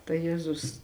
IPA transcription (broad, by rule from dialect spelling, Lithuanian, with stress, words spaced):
tɐɪ ˈjeːzʊs